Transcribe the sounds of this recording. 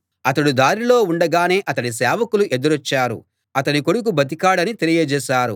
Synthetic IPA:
ɐt̪ɐɽud̪aːɾilo̞ːuɳɖɐɡaːne̞ːʔɐt̪ɐnis̬ɛːʋɐkuluʔed̪uɾɐt͡ʃːaːɾṵ | ɐt̪ɐniko̞ɽuk̬ubʱɐt̪̬ikaːɽɐnit̪elijɐd͡ʒɛːʃaːɾṵ

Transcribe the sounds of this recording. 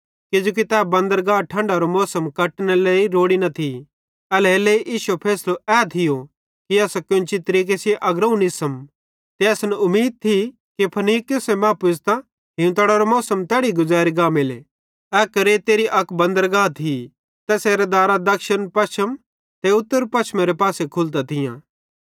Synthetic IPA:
kɪd͡ʒuːk̬it̪ɛːbɐ̃nd̪əɾɡaːʈʰɐ̃ɳɖaɾomɔːsəmkɐʈnɛleːiɾoːɽinɐt̪ʰi | ɛlɛleiʔiːʃupʰeːsloɛːt̪ʰɪjo | kiɐːskʊ̃nt͡ʃit̪ɐɾiːk̬esieʔɐɡɾɐũnɪsəm | t̪eɐsnʊmːiːd̪̚t̪ʰi | kipʰɐniːkosemaːpʊst̪ã | ɦɪ̃ũt̪ɐɽaɾomɔːsəmt̪ɛːɽiɡʊzaːɾiɡaːmelḛ | ɛːkɐɾet̪eːɾiʔɐkbɐ̃nd̪əɾɡaːt̪ʰi | t̪ɛseːɾɛd̪aːɾad̪ɐkʃənpɐʃəm | t̪eʊt̪ːəɾpɐʃmeɾepaːsekʰʊlt̪at̪ʰɪjã̰ː

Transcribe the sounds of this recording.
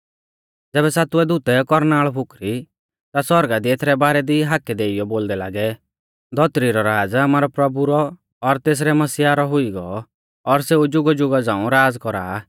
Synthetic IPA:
d͡zɛːbɛsaːt̪ʊɛd̪ʊt̪ɛkɔɾnaːɭpʰʊkɾi | t̪asɔɾɡad̪iet̪ʰɾɛbaːɾɛd̪iɦakɛd̪eːijɔboːld̪ɛlaːɡɛ | d̪ʱɔt̪ɾiɾɔɾaːd͡zaːmaːɾɔpɾɔbuɾɔː | ɾt̪eːs̬ɾɛmɐsiaɾɔɦʊiɡɔ | ɔɾseːud͡ʒʊɡɔd͡ʒʊɡad͡zãːũɾaːd͡zkɔɾa̰ː

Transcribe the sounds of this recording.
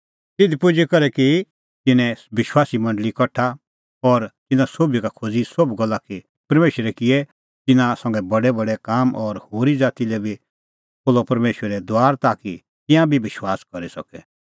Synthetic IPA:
t̪ɪd̪ʱipʊd͡ʒikɐɾɛki | t̪ɪnɛ̃ʋɪʃwaːsimɐ̃ɳɖəlikɐʈʰa | ɔɾt̪ɪnãsoːbjikakʰod͡zisobɡɐlːaki | pɐɾmeːʃəɾɛkɪjɛ | t̪ɪnãsɐ̃ŋɡɛbɐɽɛbɐɽɛkaːmʔɔɾhoːɾid͡zaːt̪ilɛbʱi | poːlɔpɐɾmeːʃwəɾɛd̪aːɾt̪aːki | t̪ɪ̃jãbʱiʋɪʃwaːskɐɾisɐ̰kɛ

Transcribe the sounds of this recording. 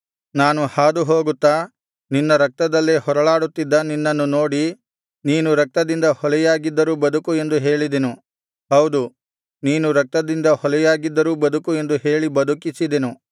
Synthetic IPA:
naːnuhaːd̪uɦoːɡut̪ːaː | ninːɐɾɐk̚t̪ɐd̪ɐlːihɔɾɐɭaːɽut̪ːid̪ːɐninːɐnːunoːɽi | niːnuɾɐk̚t̪ɐd̪ind̪ɐhɔlɛjaːɡid̪ːɐɾuːbɐd̪ukue̞nd̪uɦe̞ːɭid̪enu | ɦɐwd̪u | niːnuɾɐk̚t̪ɐd̪ind̪ɐhɔlɛjaːɡid̪ːɐɾuːbɐd̪ukue̞nd̪uɦe̞ːɭibɐd̪ukisid̪enu

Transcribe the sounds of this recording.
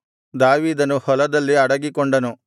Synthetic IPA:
d̪aːʋiːd̪ɐnuhɔlɐd̪ɐlːiɐɽɐɡikɔɳɖɐnu

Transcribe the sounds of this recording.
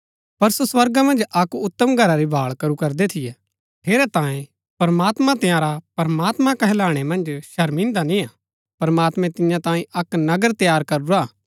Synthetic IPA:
pɐɾsoswɐɾɡamɐ̃nd͡ʒʔɐkʊt̪ːəmɡʱɐɾaɾibʱaːɭkɐɾukɐɾd̪et̪ʰɪjɛ | pʰeːɾɛt̪ãːẽ | pɐɾɐmaːt̪mãt̪ɪjãːɾapɐɾəmaːt̪mãkɐɦɛlaːɽ̃emɐ̃nd͡ʒʃɐɾmɪ̃ːnd̪anĩãː | pɐɾmaːt̪mɛ̃t̪ɪjãt̪ãːĩʔɐknɐɡəɾt̪jaːɾkɐɾuɾaː

